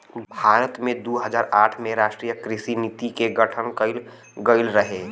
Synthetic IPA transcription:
bʱaːɾət̪mẽd̪uɦəd͡ʒaːɾaːʈʰmẽɾaːʃʈɾiːjəkɾɪsinit̪ikeɡəʈʰənkəɪl | ɡəɪlɾəɦe

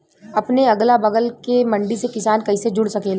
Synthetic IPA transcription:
ɐpneɐɡlabɐɡəlkemɐ̃ɳɖisekɪsaːnkɐised͡ʒʊɽsɐkeːla

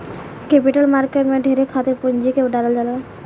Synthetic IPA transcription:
kepiʈəlmaɾkeʈmẽɖʱeɾekʰat̪ɪɾpuɲd͡ʒikeɖaɖəld͡ʒala

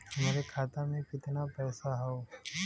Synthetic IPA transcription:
meːɾekʰaːt̪amẽkɪt̪napɛːsaɦɛo

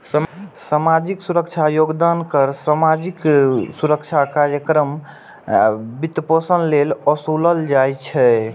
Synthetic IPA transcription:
ssamad͡ʒiksuɾəkt͡ʃʰajoɡd̪ankəɾsamad͡ʒiksuɾəkt͡ʃʰakaɾjəkɾəm | bit̪posənlelɔsuləld͡ʒajt͡ʃʰɛ

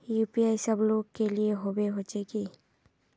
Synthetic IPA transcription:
jupiajsəbloːɡkelieɦobeɦot͡ʃeki

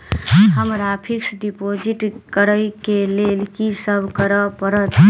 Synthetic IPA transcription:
ɦəmɾapʰiksɖipod͡ʒiʈkəɾəjkelelkisəbʱkəɾəpəɾət̪

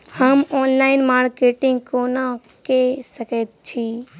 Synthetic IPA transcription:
həmɔːnlaːɪnmaːɾkeːʈɪ̃ŋɡkoːna | kesəket̪̚t͡ʃʰi

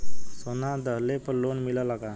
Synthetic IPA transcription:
sonad̪əlepənlonmilalaɡa

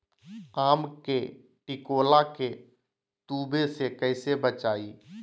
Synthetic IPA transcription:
aːmke | ʈikoːlake | t̪uːbʱesekəɪsebət͡ʃaːi

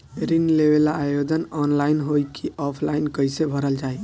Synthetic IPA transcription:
ɾinleβelaːjod̪ənɔnlainɦojkʰiʔɔpʰlainkəjsebʱəɾəld͡ʒaj

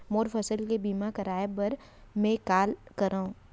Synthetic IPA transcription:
moːɾfʰɐsəlkebiːmakɐɾaːebɐɾ | mẽkaːlkɐɾaːũ

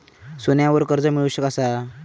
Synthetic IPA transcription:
sonjãʋəɾkəɾd͡zəmiɭuɕəkasa

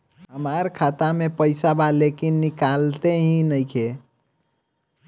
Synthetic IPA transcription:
ɦəmaɾkʰat̪amepəɪsabalekinːikalt̪eɦĩnəjkʰe

